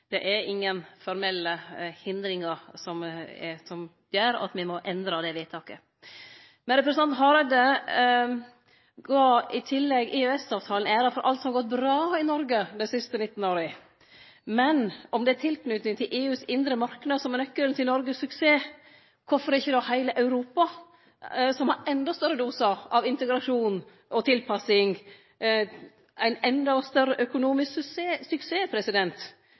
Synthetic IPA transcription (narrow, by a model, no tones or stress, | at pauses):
d̪̥ɛʔæɾɪŋːənfɔɾmɛlːəhɪnd̪ɾɪŋəɾsɔmsɔm | jøːɾɑ̰t̪mɪmɔʔɛnd̪ɾɑd̪ɛʋiːt̪ʰɑːkə | mɛnɾɛpɾəɛsnɑnt̪ɦɑɾɑd̪ə | ɡɑːɪt̪ʰɪlːɛɡɪøɛsɑːʋt̪ʰɑːlənæːɾɑfɔɾʔɑ̰lt̪sɔmɑɡɔt̪̚bɾɑːɪnɔɾɡəd̪ɛɪsɪst̪ənɪt̪ːn̩oːɾə | mɛnɔmd̪ɛæt̪ʰɪlknʉt̪nɪŋt̪ʰɪlʔeːʉːsɪnd̪ɾəmɑɾknɑd̪sɔmɛnœkːəlt̪ɪlnɔɾɡəsʉkseː | kʰʊfɔɾɪçːəd̪ɔhæɪləʔɑʉɾuːpɑ | sɔmhɑɾɛnd̪ɑst̪œɾːəd̪uːsɑʔɑʋɪnt̪əɡɾɑʂuːn | ʔɔt̪ʰɪlpʰɑsɪŋ | æɪnɛnd̪ɑɔst̪œɾːəʔœkʊnuːmɪsksseːsʉkseːpʰɾɛsɪd̪ɛnt̪